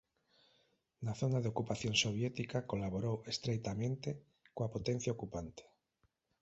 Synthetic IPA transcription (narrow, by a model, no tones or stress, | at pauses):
naθonaðeokupaθjonsoβ̞jɛt̪ikakolaβoɾowest̪ɾejt̪amẽnt̪e | koapot̪ẽn̟θjaokupant̪e̥